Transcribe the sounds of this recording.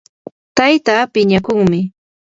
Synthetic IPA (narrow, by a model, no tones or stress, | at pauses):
t̪ajt̪aːpɪɲakʊŋmɪ